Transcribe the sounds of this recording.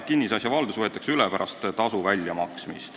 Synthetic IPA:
kinːisɑsʲjɑvɑld̪̥usvɤt̪ːˑɑksylɛpæɾɑst̪t̪ɑsuvælʲjɑmɑksmḭst̪

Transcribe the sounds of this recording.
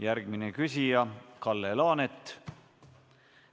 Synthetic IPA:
jæɾɡ̥minekysijɑkɑlːelɑːnet̪ː

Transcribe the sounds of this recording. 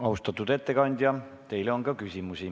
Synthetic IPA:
ɑust̪ɑt̪ːˑud̪̥e̞t̪ːe̞kɑnʲd̪̥ʲjɑ | t̪e̞jleo̞nkɑkysʲimusi

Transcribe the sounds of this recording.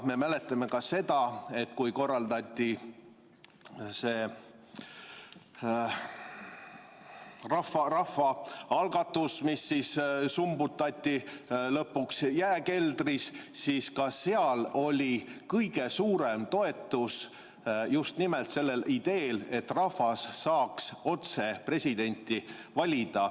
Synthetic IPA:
me̞mæle̞t̪ːˑɑme̞kɑse̞d̪̥ɑe̞t̪kujko̞rːɑld̪ɑt̪ʲˑːi | se̞ː | rɑfɑrɑfɑɑlɡ̥ɑt̪ːˑusmisːissumbut̪ːˑɑt̪ʲːilɤpːuksjæeke̞ld̪̥rissiːskɑse̞ɑlo̞lʲikɤjɡ̥e̞suːɾemt̪o̞e̞t̪ːˑus | just̪nimelt̪se̞lːe̞lid̪̥e̞ːle̞t̪ːrɑfɑsːɑːkso̞t̪se̞pre̞sʲid̪e̞nʲt̪ʲːivɑlʲid̪̥ɑ

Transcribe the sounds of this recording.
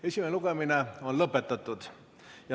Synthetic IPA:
esʲimeeluɡ̥emineonlɤpːˑet̪ːɑt̪ːˑud̪ | jɑ

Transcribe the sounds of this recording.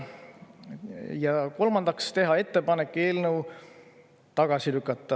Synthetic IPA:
jɑko̞lmɑnd̪̥ɑkst̪e̞ɦɑe̞t̪ːepɑne̞kːe̞ːlnəw | t̪ɑɡ̥ɑsilykːˑɑt̪ˑːɑ

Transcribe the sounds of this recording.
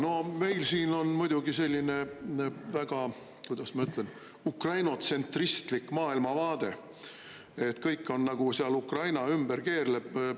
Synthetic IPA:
no̞me̞jlsiːno̞nmujd̪̥uɡise̞lʲːine̞væɡ̥ɑ | kujd̪̥ɑsmɑyt̪ˑlen | ukrɑjno̞t̪se̞nt̪rist̪likːˑmɑːilmɑvɑːd̪̥e̞ | e̞t̪kɤjkːˑo̞nːɑɡ̥usiɑlukrɑjnɑymb̥erke̞ːrleb̥

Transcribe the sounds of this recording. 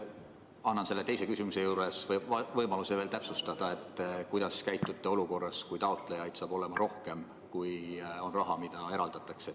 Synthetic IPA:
ɑnːɑnse̞lːe̞t̪e̞jse̞kysimuse̞juːɾe̞svɤjmɑluse̞veːlt̪æpsust̪ɑd̪̥ɑe̞t̪ːˑkujd̪̥ɑskæjt̪ːˑut̪ːˑe̞o̞luko̞rːɑskujt̪ɑot̪ˑlejɑjd̪̥sɑːb̥o̞le̞mɑɾo̞hke̞m | kujo̞nrɑɦɑmid̪̥ɑe̞ɾɑld̪̥ɑt̪ːˑɑkse

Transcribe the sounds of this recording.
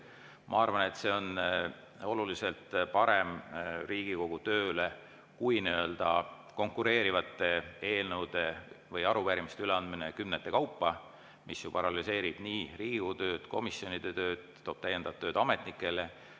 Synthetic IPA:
mʔɑ̰ɑrvɑne̞t̪ːse̞o̞n | o̞lulise̞lt̪pɑɾemriːɡ̥iko̞ɡ̥ut̪ø̞ːle | kujniø̞ld̪̥ɑ | ko̞ŋkːuɾe̞ːɾivɑt̪ːˑe̞e̞ːlnəwd̪̥e̞vɤjɑɾupæːɾimist̪eyleɑnd̪̥minekymnet̪ːˑe̞kɑwpˑːɑ | misjupɑɾɑlise̞ːɾib̥niːɾiːɡ̥ikout̪ø̞ːd̪̥ko̞̰misjo̞nid̪̥e̞t̪ø̞ːd̪̥t̪ːo̞ːb̥t̪æjend̪ɑvɑt̪ːøːd̪̥ɑme̞t̪nikːˑe̞le

